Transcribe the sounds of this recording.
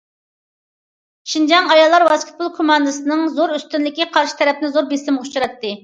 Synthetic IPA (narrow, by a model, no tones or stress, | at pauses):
ʃind͡ʒɑŋɑjɑlˠːɑɾwɑskʲʰɪt̪̚bʰulˠkʰumɑnd̪ɨsɨnɨŋzoɾyst̪ynlɪkʲiqʰɑɾʃi̥t̪ʰɛɾɛpʰnɪzoɾbesɪmʁʊt͡ʃuɾɑt̪ʰːɨ